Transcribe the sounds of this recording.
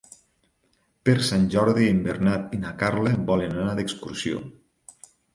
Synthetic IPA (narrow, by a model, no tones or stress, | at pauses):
peɾsanʲʒɔɾðiembeɾnat̪inakaɾlebɔlenanaðəkskuɾsio̰